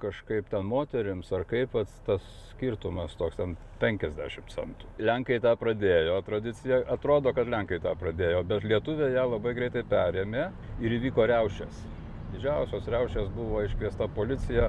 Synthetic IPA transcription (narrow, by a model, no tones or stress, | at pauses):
kɐʃkɐɪpt̪ʲɛnmoːt̪ʲɛɾʲɪmsɐrkɐɪpʋɐtst̪ɐs | sʲkʲirt̪ʊmɐst̪oːkst̪ʲɛn | pʲɛŋʲkʲɛzʲd̪ʲæ̰ːʃʲɪmt͡sʲɛ̰nt̪ʊ̥lʲæŋkɐɪt̪ɑːpɾɐd̪ʲeːjoːt̪ɾɐd̪ʲɪt͡sʲɪjɛʔɐt̪ɾoːd̪oːkɐt̪lʲɛŋkɐɪt̪ɑːpɾɐd̪ʲeːjoːbʲɛt̪lʲiɛt̪ʊʋʲeːjæːlˠɐbɐɪɡɾʲɛɪt̪ɐɪpʲæːɾʲeːmʲeː | ɪɾiːʋʲiːkoːɾʲɛʊʃʲɛs | d̪ʲɪʒʲɛʊsʲoːsɾʲɛʊʃʲesbʊʋoːɪʃʲklʲiɛst̪ɐpoːlʲɪt͡sʲɪjæ